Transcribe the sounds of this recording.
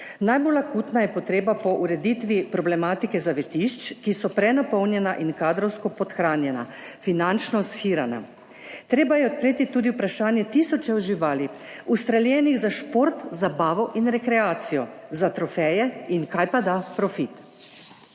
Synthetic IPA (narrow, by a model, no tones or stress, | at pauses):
najbolakut̪najɛpɔt̪ɾeːbapɔʔuɾɛd̪it̪ʋipɾɔblɛmaːt̪ikɛzaʋɛt̪iʃt͡ʃkisɔpɾɛnapɔwnjɛnaʔinkaːd̪ɾɔwskɔpɔt̪xɾaːnjɛna̰finant͡ʃnɔsxiːɾana̰ | t̪ɾeːbajɛɔt̪̚pɾeːt̪it̪uːd̪iupɾaʃaːnjɛt̪isɔt͡ʃɛwʒiʋaːliust̪ɾaljɛːniɣzaʃpoɾt̪zabaːʋɔʔinɾɛkɾɛaːt̪sijɔ | zat̪ɾɔfɛjɛinkajpad̪apɾɔfit̪